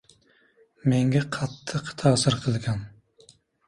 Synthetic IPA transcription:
meŋɡʲɛqʰɑt̪ʰːəqt̪ʰɑːsɨɾqʰəlˠɡʲɑn

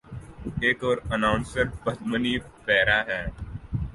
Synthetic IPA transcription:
eːkɔːɾənãːʊ̃nsəɾʈbɐd̪mənipɛːɾaɦɛː

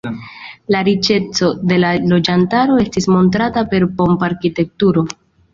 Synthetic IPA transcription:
laɾit͡ʃe̞t͡so̞de̞lalo̞d͡ʒantaɾo̞e̞stismo̞nt̬ɾatape̞ɾpo̞mpaɾkite̞k̚tuɾo̞

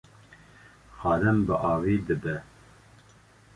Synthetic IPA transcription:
xɑːɾɛmbəʔɑːviːd̪ɨb̪ɛ

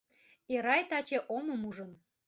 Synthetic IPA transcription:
eɾɑjt̪ɑt͡ɕeʔoməmuʒə̆n

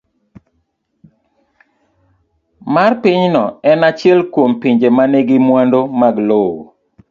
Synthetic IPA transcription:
marpiɲnɔɛnat͡ʃɪɛlkwompiɲd͡ʒemaneɡɪmwandomaɡlowo̰

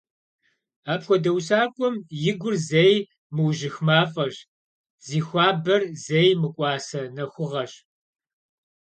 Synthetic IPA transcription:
aːpxʷɔdɐwsaːkʷʼɔmjɪɡʷʊrzej | mɨwʒɪxmaːfʼɐɕ | z̥iːxʷaːbɐrzejmɨkʷʼɑːsɐnɐxʷʊʁɐɕ

